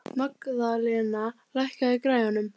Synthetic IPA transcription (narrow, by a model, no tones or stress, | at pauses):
makðalɛna | lajhkaðikɾaːjanʏm